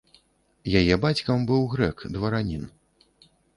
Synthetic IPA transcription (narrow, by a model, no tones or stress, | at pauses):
jajɛbat͡sʲkɐmbɨwɣɾɛkd̪vɐɾanʲin